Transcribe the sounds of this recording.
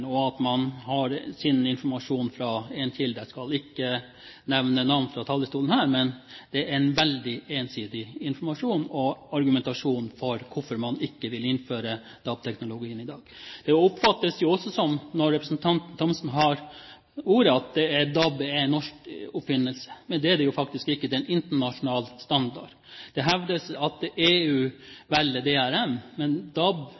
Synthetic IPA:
nɔɑt̪mɑnɦɑɾsɪnɪnfɔɾmɑʂuːnfɾɑɛntɪld̪əskɑlɪkːə | nɛʋnənɑʋnfɾɑt̪ʰɑlːəst̪uːlənhæːɾmɛnd̪̥ɛæɾnʋɛld̪ɪeːnsiːd̪ɪɪnfɔɾmɑʂuːnɔɑɾɡʉmɛnt̪ɑʂuːnfɔɾkʰʊfɔɾmɑnɪkːəʋɪlɪnføːɾə | d̪̥ɑb̚t̪ʰɛknʊlʊɡiːənɪd̪ɑːɡ̥d̪̥ɛʊpfɑt̪ːəsjʊɔsːɔsɔmnɔɾːɛpɾəsnt̪ʰɑnt̪n̩t̪ʰɔmsn̩ɦɑɾ | uːɾəɑt̪̚d̪ɛæd̪ɑbɛnːɔʂkɔpfɪnːəlsə̥mɛnd̪ɛæd̪ɛjʊfɑkt̪ɪskɪkːəd̪ɛnɪnt̪əɳɑʂʊnɑːlst̪ɑnd̪ɑ̰ɖ | d̪̥ɛɦɛʋd̪əsɑt̪eːʉːʋɛlːəd̪ɛːæɾɛmmɛnd̪ɑb

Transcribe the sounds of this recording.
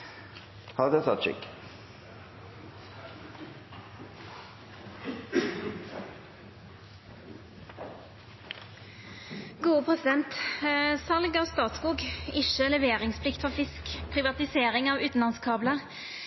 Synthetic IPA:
hɑʁd̪ɛt̪ʰɑt̪ʃʏ̰kː | ɡ̥uːəpʰʁɛsɪd̪ɛnt̪sɑlɡɑːʋst̪ɑːt̪skuːɡɪʃəlɛʋeːʁɪŋspʰlɪkt̪fɔʁfɪskpʰʁɪʋɑt̪ɪseːʁɪŋɑːʋʉːt̪n̩lɑnskʰɑːbləʁ

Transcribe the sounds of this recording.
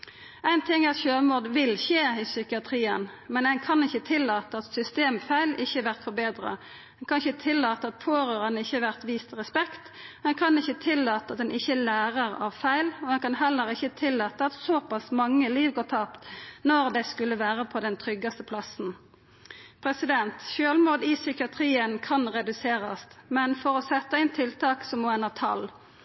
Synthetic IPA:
æɪnt̪ʰɪŋɑt̪çøːmuːd̪ʋɪlçeːiːsʏkɪɑt̪ʰʁiːənmɛnæɪnkʰɑnɪçːət̪ʰɪlːɑːt̪əɑt̪sʏst̪eːmfæɪlɪçːəæʋæʁt̪fɔbeːd̪ʁɑ̰ | æɛnkʰɑnɪçət̪ʰɪlːɑːt̪əɑt̪̚pʰoːɾøːʁɑnəɪçːəɑʋæʁt̪ʋiːst̪ʁɛspɛkt̪ | æɪnkʰɑnɪçːət̪ʰɪlːɑːt̪əɑt̪d̪ɛnʔɪçːəlæːʁəʁɑʋfæɪlɔd̪ɛnkɑnɦɛlːəʁɪçət̪ʰɪlːɑːt̪əɑt̪soːpɑsmɑŋːəliːʋɡoːt̪ʰɑːpt̪nɔʁd̪ɛskʉlːəʋæːʁəpʰɔd̪ɛnt̪ʰʁʏɡɑst̪əpʰlɑsn̩ | pʰɾɛsɪd̪ɛnt̪ʃøːlmuːd̪ɪsʏkɪɑt̪ʰʁiːənkʰɑnʁɛd̪ʉseːʁɑst̪mɛnfɔʁɔsɛt̪ːəɪnt̪ʰɪlt̪ɑːksɔmoːɛnɑt̪ʰɑ̰l

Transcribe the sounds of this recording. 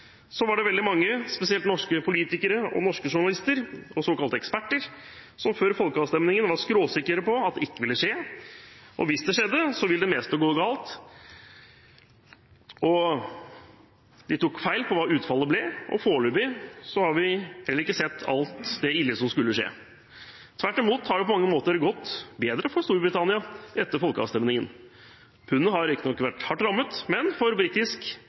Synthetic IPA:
sɔʋɑɖɛʋɛld̪ɪmɑŋːəspɛsɪɛlt̪nɔʂkəpʰʊliːt̪ɪkəɾəɔ̰nɔʂkəʂʊɳɑlɪst̪əɾɔsoːkɑlt̪əɛkspæʈːəɾ | sɔmføːɾfɔlkəɑːʋst̪ɛmnɪŋənʋɑɾskɾoːsɪkːəɾəpɔɑt̪̚d̪ɛɪkːəʋɪlːəʂeː | ʔɔ̰ʋɪsd̪ɛʂɛd̪ːəsɔʋɪlːd̪ɛmɛːst̪əɡoːɡɑːlt̪ | ɔ | d̪ɪt̪ʊkfæɪlpʰɔʋɑːʉːt̪fɑlːəblɛʔɔ̰foːɭʉːbɪsɔhɑɾʋɪhɛlːəɾɪkːəsɛt̪ːɑ̰lt̪d̪ɛɪlːəsɔmskʉlːəʂḛː | t̪ʰʋæʈːɪmuːt̪hɑɖɛpɔmɑŋːəmoːt̪əɾɡɔt̪ːbeːd̪ɾəfɔɾst̪uːɾbɾɪt̪ɑnɪɑʔɛt̪ːəɾfɔlkəɑ̰ʋst̪ɛmnɪŋən | pʰʉnːəhɑɾɪkt̪nɔkːʋæʈhɑʈːɾɑmːət̪mɛnfɔɾbɾiːt̪ɪsk

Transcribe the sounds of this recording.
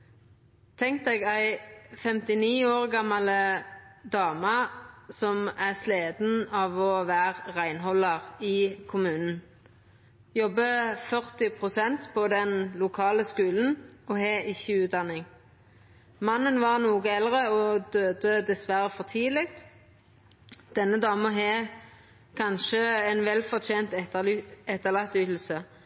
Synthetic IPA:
t̪ʰɛŋk̚t̪eːɡæɪfɛmt̪ɪniːoːʁɡɑmɑləd̪ɑːmɑsɔmæsleːd̪n̩ɑːʋɔʋæːʁʁæɪnɦɔlɑʁɪkʰʊmʉːnn̩ | jɔbːəfœʁt̪ɪpʰʁʊsɛnt̪pʰɔd̪ɛnlʊkʰɑːləskʉːln̩ɔɦɛʔɪçːəʉːt̪̚d̪ɑnːɪŋ | mɑnːənʋɑʁnuːɡəɛlʁəɔd̪øːd̪əd̪ɛsʋæɾəfɔʁt̪ʰiːlɪkt̪ | d̪̥ɛnːəd̪ɑːməɦɛ | kʰɑnʃəɛnʋɛlfɔʁt̪ʰeːnt̪ɛɛt̪ːəlɑt̪ːyːt̪l̩sə

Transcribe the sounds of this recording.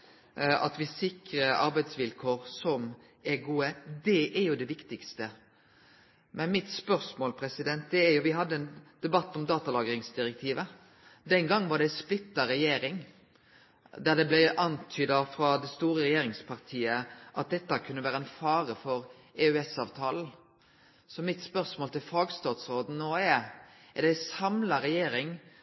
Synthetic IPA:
ɑ̰t̪ʋɪsɪkɾəɑ̰ɾbæɪd̪sʋɪlkʰoːʁsɔm | ɛɡuːəd̪ɛʔæɾjʊd̪ɛʋɪkt̪ɪkst̪ə | mɛnmɪt̪spœɾsmoːlpʰɾɛsɪd̪ɛnt̪̚d̪ɛæɾjʊʋɪɦɑd̪ːəɛnd̪̥ɛbɑt̪ːɔmd̪ɑːt̪ɑlɑːɡəɾɪŋsd̪ɪɾɛk̚t̪ʰiːʋə | d̪ɛnɡɑŋːʋɑɖ̪ɛsplɪt̪ːɑɾɛjeːɾɪŋ | d̪æʁd̪ɛblæʔɑnt̪ʰyːd̪ɑfɾɑd̪ɛst̪uːɾəɾɛjeːɾɪŋspʰɑʁt̪ʰiːəʔɑt̪̚d̪ɛt̪ːɑkʰʉnːəʋæːɾəɛnfɑːɾəfɔɾ | ɛʉɛsɑːʋt̪ʰɑːln̩ | sɔmɪt̪spœɾsmoːlt̪ɪlfɑːɡst̪ɑːt̪sɾoːd̪n̩noːɛ | æʁd̪æsɑmlɑɾɛjeːɾɪŋ

